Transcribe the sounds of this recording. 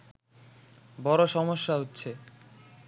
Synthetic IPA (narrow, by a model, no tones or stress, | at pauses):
bɔɾoʃɔmoʃːaɦotːɕʰe